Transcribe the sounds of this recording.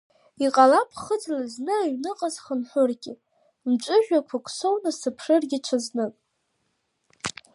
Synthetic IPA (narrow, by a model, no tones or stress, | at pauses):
iqʼalapʰχəd͡zlaznɨaɥnɨqʼazχənħʷʊrɡʲɪ | mt͡ʃʷʼʊʒᶣakʷʰakʷʰʼsownɨsɨpʰʂɨrɡʲɪʈ͡ʂʷʰaznɨkʼ